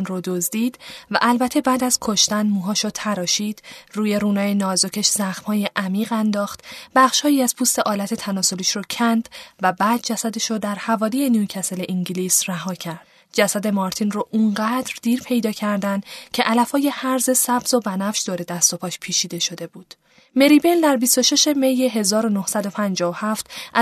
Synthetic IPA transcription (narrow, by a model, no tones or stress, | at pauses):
nrod̪ozd̪iːd̪̥væ̰ʔælbæt̪ʰe̞bæːd̪æz̥kʰo̞ʃt̪ænmuːɦɒːʃot̪ʰæɾɒːʃiːd̪̥ruːje̞ɾuːnɒːjenɒːzocʰe̞ʃz̥æxmhɒːje̞ʔæmiːɣænd̪ɒːxt̪b̥æχʃhɒːiæz̥pʰuːst̪e̞ʔɒːlæt̪ʰe̞t̪ʰænɒːso̞liʃɾocʰænd̪væbæːd̪̚d͡ʒæsæd̪e̞ʃod̪æɾhævɒːlije̞njucʰæseleʔiŋɟiliːsræɦɒːcʰæɾd̪̥ | d͡ʒæsæd̪e̞mɒɾt̪ʰinroʔuɴɢæːd̪ɾd̪iːɾpʰe̞jd̪ɒːcʰæɾd̪ænd̪cʰe̞ʔælæfhɒːje̞hæɾze̞sæbz̥o̞bænæfʃd̪oːɾe̞d̪æst̪o̞pʰɒːʃpʰiːt͡ʃʰiːd̪e̞ʃo̞d̪e̞buːd̪̥ | me̞ɾibeld̪æɾbist̪o̞ʃe̞ʃe̞mejeɦe̞zɒːɾo̞nohsæd̪o̞pʰænd͡ʒɒːohæft̪ʔ